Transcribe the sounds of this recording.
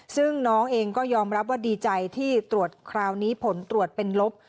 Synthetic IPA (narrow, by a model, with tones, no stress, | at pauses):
sɯ˥˩ŋnɔː˦˥ŋʔeː˧ŋkɔː˥˩jɔː˧mɾa˦˥p̬̚waː˥˩diː˧t͡ɕa˧jt̪ʰiː˥˩t̪ɾu˨˩ə˩t̪̚kʰɾaː˧wniː˦˥pʰo˩˦nt̪ɾu˨˩ət̪̚pe˧nlo˦˥p̚